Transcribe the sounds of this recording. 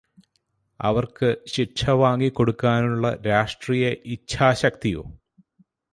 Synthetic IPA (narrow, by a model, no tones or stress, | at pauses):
ɐ̰ʋɐrkɨɕiʂʰɐʋaːŋɡikːo̞ɽukːaːnuɭːɐɾaːʂʈriːjɐʔit͡ɕːʰaːɕɐk̚t̪ijo̰ː